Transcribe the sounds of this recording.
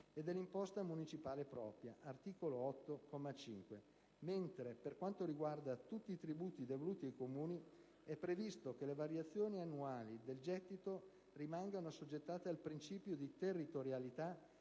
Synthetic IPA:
ed̪ɛlːimpɔst̪amunit͡ʃipaːlepɾɔ̰ːpɾjaʔart̪iːkoloɔt̪ːokɔmːat͡ʃiŋkwe | ment̪ɾeperkwant̪oɾiɡward̪at̪ut̪ːiːt̪ɾibuːt̪id̪evoluːt̪iakomuːni | ɛpːɾevist̪ok̟elevaɾjat̪sːjoːnianːuaːlid̪eld͡ʒɛt̪ːit̪o | rimaŋɡanosod͡ʒːet̪ːaːt̪ealpɾint͡ʃiːpjod̪it̪erːit̪oɾjalit̪a

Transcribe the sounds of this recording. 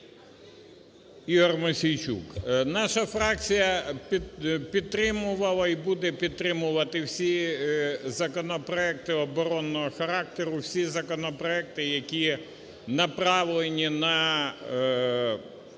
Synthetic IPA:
iɦɔrmʊsʲijt͡ʃṵknɑʃɐfɾɑk̚t͡sʲijɐppʲid̪̚t̪ɾɪmʊʋɐlˠɐibud̪ɛpʲid̪̚t̪ɾɪmʊʋɐt̪ɪwsʲi | zɐkɔnɔpɾɔɛk̚t̪ɪɔbɔɾɔnːɔɦɔxɐɾɑk̚t̪eɾʊwsʲizɐkɔnɔpɾɔɛk̚t̪ɪjɐkʲi | nɐpɾɑʋlˠenʲinɐ

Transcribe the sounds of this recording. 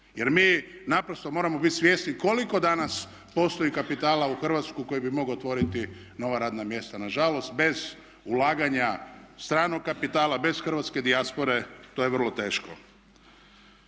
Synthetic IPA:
je̞ɾmiːnapɾost̪o̞mo̞ɾamo̞bit̪ʲsʋjest̪niko̞liko̞d̪anas | po̞st̪o̞ikapit̪aːlauxr̩ʋat̪skuko̞jibimo̞ɡot̪ʋo̞ɾit̪i | no̞ʋaɾaːd̪namje̞st̪anaʒalo̞st̪be̞z | ulaːɡaɲast̪ɾaːnoɡ̚kːapit̪aːlabe̞zxr̩ʋat̪ske̞d̪iaspo̞ɾe̞t̪oːjeʋər̩lˠo̞t̪e̞ːʃko̞

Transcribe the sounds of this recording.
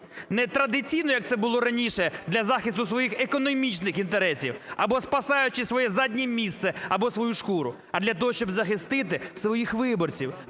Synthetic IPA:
nɛt̪ɾɐd̪ɪt͡sʲijnɔjɐk̚t̪sɛbʊlˠɔɾɐnʲiʃɛd̪lʲɐzɑxʲist̪ʊsʋɔjixekɔnɔmʲit͡ʃnɪxint̪eɾɛsʲḭwɐbɔspɐsɑjʊt͡ʃɪsʋɔjɛzadʲnʲimʲist̪sɛɐbɔsʋɔjuʃkuɾʊ̰ | ɐd̪lʲɐt̪̬ɔɦɔʃt͡ʃɔbzɐxɪst̪ɪt̪ɪsʋɔjixʋɪbɔrt͡sʲiw

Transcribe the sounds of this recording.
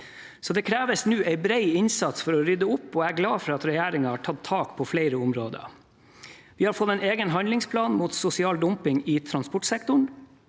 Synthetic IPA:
sɔd̪ɛkʰɾæːʋəsnʉːʔæɪbɾeɪɪnsɑt̪sfɔɾɔɾʏd̪əʊpːɔːæɡlɑːfɔɾɑɑt̪ɾɛjæːɾɪŋɑhɑʈʰɑt̪ʰːɑːkpʰɔfleɪɾəʊmɾoːd̪ə̰ | ʋɪːhɑɾfɔt̪ːɛɪneːɡənɦɑnd̪lɪŋspʰlɑːnmuːt̪sʊsɪɑːld̪ʊmpɪŋɪt̪ʰɾɑnspɔʈsɛk̚t̪ʊɳ

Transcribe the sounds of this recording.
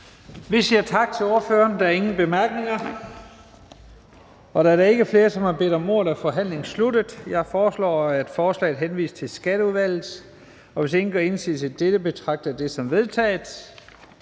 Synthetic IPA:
ʋisiɐ̰t͡sʰɑ̈ɡ̥̚t͡sʰe̝lo̝ːɐføːɐnd̥ɑæɐe̝ŋn̩b̥e̝mæɐɡ̥ne̝ŋɐ | ɒ̽ɾ̥ɑæɐɾɑe̝ɡ̥əfle̝ːɐsɒ̽mhɑ̈b̥e̝̰ːd̥ɒ̽mo̝̰ːlæfɒ̽ɦæn̰le̝ŋ̩sludəð̩ˠjɑ̈ɪfɒːslɒ̰ːæd̥fɒːslɛ̰ɪð̩ˠɦenʋḭːst͡sʰe̝lsɡ̥æɾ̥əuðˠʋæl̰ð̩ˠ | ɒ̽ʋe̝se̝ŋn̩ɡ̥ɒe̝nsḭːsæd̥ed̥əb̥e̝t͡sʰʁɑ̈ɡ̥̚d̥ɐd̥e̝sɒ̽mʋe̝ð̞ˠt͡sʰɛ̰ːðs

